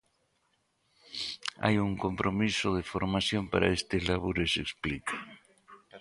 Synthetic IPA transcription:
a̰juŋkompɾomisoðefoɾmasjompaɾa̰est̪elaβuɾeseksplika

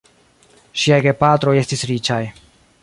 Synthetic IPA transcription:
ʃiajɡepatɾo̞je̞stisɾit͡ʃaj

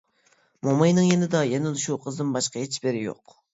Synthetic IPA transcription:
momɑjnɨŋjenɪd̪ɑjɛnɪlˠʃuqʰəzd̪ɨnbɑʃqɑet͡ʃʰbeɾɪjo̰q

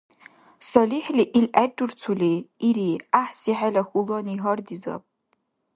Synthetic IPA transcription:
saliħliʔilʔad͡ʒɨrt͡sʰuleiɾiaħsiħalaxʷuloniɦardiza̰pʼ

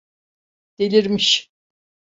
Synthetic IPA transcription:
d̪̥elʲiɾmiʃ

